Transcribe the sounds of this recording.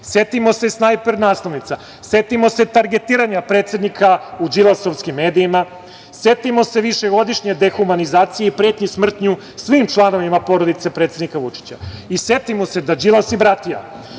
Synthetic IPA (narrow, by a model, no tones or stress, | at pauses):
sjet̪imo̞sesnajpeɾnaːslˠoʋnit̪sa | se̞t̪imo̞se̞t̪aɾɡe̞t̪iːɾaɲapɾe̞ːt̪se̞d̪nikʰaud͡ʑilˠasoʋskimːe̞ːd̪ijima | sjet̪imo̞se̞ʋiʃe̞ɡo̞d̪iʂɲe̞d̪e̞xumanizaːt̪sijeipɾet̪ɲusmr̩t̪ɲu | sʋimt͡ʃlˠano̞ʋimapo̞ɾod̪it̪se̞pɾet̪sed̪nikaʋut͡ʂi̥t͡ɕaisjet̪imose̞d̪ad͡ʑilasibɾat̪ija̰